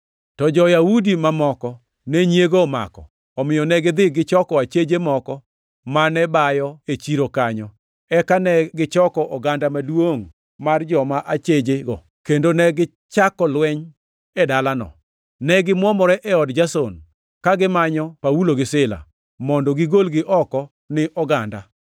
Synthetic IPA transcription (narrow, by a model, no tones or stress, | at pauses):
tɔd͡ʒɔjaudimamɔkɔ | nɛɲjeɡoma̰kɔ̰ | ɔmɪjɔnɛɡɪd̪ɪɡɪt͡ʃɔkɔat͡ʃed͡ʒemɔkɔ | manɛbajɔet͡ʃiɾokaɲɔ | ɛkanɛɡɪt͡ʃɔkɔʔɔɡandamadwoŋ | mard͡ʒɔmaʔat͡ʃed͡ʒeɡɔ̰ | kendonɛɡɪ | t͡ʃakɔlwɛɲ | ɛdalanɔ̰ | nɛɡɪmwɔmɔɾɛʔɛɔdd͡ʒason | kaɡɪmaɲɔpauloɡɪsɪla̰ | mɔndɔɡɪɡolɡɪʔɔkɔ | nɪʔɔɡanda